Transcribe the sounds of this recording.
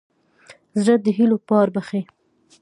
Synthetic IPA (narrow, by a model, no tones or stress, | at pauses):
zɾəd̪əɦilopɑɾbaxe